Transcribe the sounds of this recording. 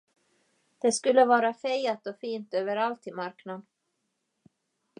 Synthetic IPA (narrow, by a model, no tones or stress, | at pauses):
d̪̥ɛskɵlːəvɑːɾafejat̪ɔfiːnt̪øːvəɾalt̪ɪmaɾknad̪